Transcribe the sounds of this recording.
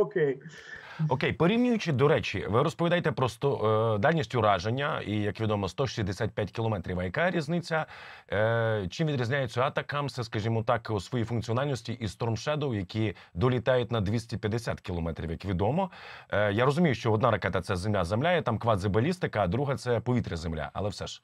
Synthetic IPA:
okʲej | ɔkejpɔɾʲiwnʲʊjʊt͡ʃɪd̪ɔɾɛt͡ʃḭʋɪɾɔspɔʋʲid̪ɑjt̪ɛpɾɔst̪ɔd̪alʲnʲisʲtʲʊɾɑʒenʲːɐijɐkʋʲid̪ɔmɔst̪ɔʃizʲd̪esʲat̪̚pʲjatʲkʲilˠɔmɛt̪ɾʲiʋɐjɐkaɾʲiznɪt͡sʲɐ | t͡ʃimʋʲid̪ʲɾʲizʲnʲajet͡sʲːɐat̪ɐkɐmsɛskɐʒʲimɔt̪ɑkusʋɔjifʊnkt͡sʲiɔnalʲnɔsʲtʲiʔist̪ɔrmʃɛd̪ɔwjɐkʲʰi | d̪ɔlʲit̪ɑjʊtʲnɐd̪ʲʋʲisʲtʲipʲjɐd̪esʲat̪kʲilˠɔmɛt̪ɾʲḭwjɐkʋʲid̪ɔmɔjaɾɔzʊmʲijʊʃt͡ʃɔɔd̪naɾɐkɛt̪ɐt̪sɛzemlʲazemlʲajɛt̪amkʋazebɐlʲist̪ɪkɐːd̪ɾuɦɐt̪sɛpɔʋʲit̪ɾʲɐzemlʲa̰ʔɐ̰lˠɛwsɛ̰ʃ

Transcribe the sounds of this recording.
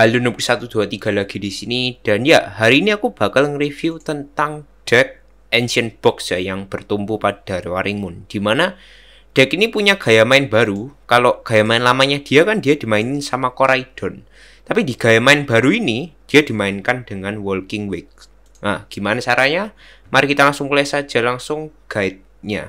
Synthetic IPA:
alunupksat̪ud̪̥uat̪iɡ̥a̤laɡ̥i̤disinid̥a̤njaɦaɾiːniakub̥a̤kalŋəɾifiut̪ənt̪aŋd̥ɛk̚ | ɛnsiənb̥ɔksjajaŋb̥ərt̪umpupad̥a̤ɾwaɾimʊnd̥imana | d̥ɛkinipuɲaɡ̥a̤jamaɪnba̤ɾukaloɡ̥a̤jamaɪnlamaɲad̪̥i̤akand̥ijad̥i̤maɪnɪsamakoɾaid̥ɔ̤n | t̪apid̥iɡ̥a̤jamaɪnb̥a̤ɾuinid̥i̤jad̪̥i̤maɪnkand̥əŋanwɔlkɪŋwɪk̚ | ʔaɡ̥i̤manasaɾaɲa | maɾɪkit̪alaŋsʊŋkulɛsḁd͡ʒ̥a̤laŋsʊŋɡ̥a̤ɪt̪̚ɲa̰

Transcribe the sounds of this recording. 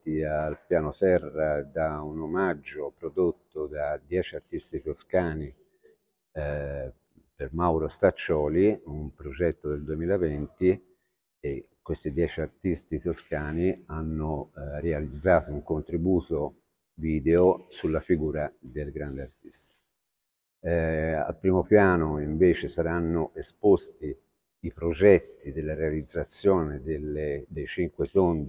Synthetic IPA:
t̪ialpjaːnot̪ɛrːad̪aunomad͡ʒːopɾod̪ot̪ːod̪ad̪jɛːt͡ʃiart̪ːist̪it̪oskaːni | permawɾost̪at͡ʃːɔːliumpɾod͡ʒɛt̪ːod̪eld̪uemiːlavɛnt̪i | ekːwest̪id̪jɛːt͡ʃiart̪ist̪it̪oskaːnianːorealid̪zːaːt̪ouŋkont̪ɾibuːt̪o | viːd̪eosulːafiɡuːɾad̪elɡɾand̪eart̪i̥st̪ḁ | a̰lpɾiːmopjaːnoiɱveːt͡ʃesaɾanːoʔespost̪i | ipɾod͡ʒɛt̪ːid̪elːaɾealid̪zːat̪sːjoːned̪elːed̪ejt͡ʃiŋkwet̪ond̪i

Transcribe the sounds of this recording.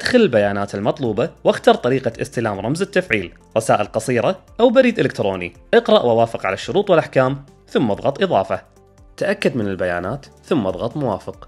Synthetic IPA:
ʔad̪xalɪlbajaːnaːt̪ɪlmɑt̪ˤluːbɑwaxt̪ɑːɾˤt̪ˤɑɾiːqaʔɪ̰st̪ɪlaːmɾˤɑmzɪt̪ːafʕiːl | ɾˤɑsaːʔɪlqɑsˤiːɾˤaʔawbaɾiːd̪ʔɪlɪkt̪ɾoːnḭʔɪqɾˤɑʔwawaːfɪqʕa̰laʃːʊɾuːt̪ˤwɪlʔaħkaːm | θʊmːɑðˤɣɑt̪ˤʔɨðˤɑ̰ːfɑ | t̪aʔakːad̪mɪnɪlbaja̰ːnaːt̪θʊmːɑ̰ðˤɣɑt̪ˤmʊwaːfɪq

